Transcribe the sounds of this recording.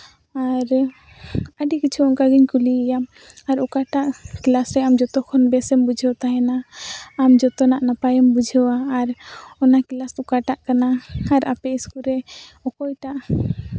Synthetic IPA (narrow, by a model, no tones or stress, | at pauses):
aɾ | əɖikit͡ʃʰuɔnkaɡiɲkuliɛjam | aɾɔkaʈaʔklasɾɛamd͡ʒɔt̪ɔkʰɔnbɛsɛmbud͡ʒʱɔt̪aɦɛnaː | md͡ʒɔt̪ɔnaʔnapajɛmbud͡ʒʱɔwaːɾɔnakilasukaʈaʔkanaaɾapɛiskuɾɛɔkɔjʈaʔ